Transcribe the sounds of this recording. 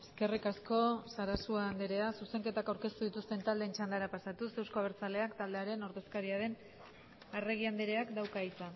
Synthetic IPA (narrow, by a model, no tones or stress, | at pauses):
e̞ske̞rikasko̞saɾasuaːnd̪eɾe̞asuse̞ŋke̞t̪akawɾke̞st̪uðit̪ust̪e̞nt̪ald̪e̞ːnt͡ʃand̪aɾapasat̪use̞wsko̞aβ̞e̞ɾt͡sale̞akt̪ald̪eaɾe̞no̞ɾðe̞skaɾiaɾe̞n | are̞ɣ̞iand̪eɾe̞akd̪awkajt͡sa